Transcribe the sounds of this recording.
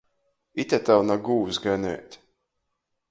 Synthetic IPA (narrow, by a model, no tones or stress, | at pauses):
it̪ʲat̪awnaɡuːsɡanɛ̰jt̪ʲ